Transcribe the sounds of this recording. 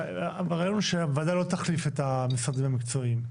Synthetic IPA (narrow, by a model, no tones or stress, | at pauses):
beʁajo̞nuʃebevad̪ajlot̪aχlifet̪amisʁad̪imamikt͡so̞im